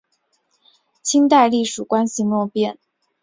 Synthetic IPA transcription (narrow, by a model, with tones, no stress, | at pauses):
t͡ɕʰi˥nt̪a˥˧ɪli˥˩ʂu˨˩kwa˥nɕi˧nwɔ˥˧pjɛ˥˩n